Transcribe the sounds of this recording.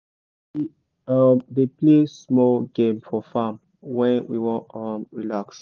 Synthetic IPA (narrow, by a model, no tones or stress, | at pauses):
i | ʌmðeplesmɔlɡẽmfɔfam | wɛ̃nwḭwɔ̃ʌmɹilaks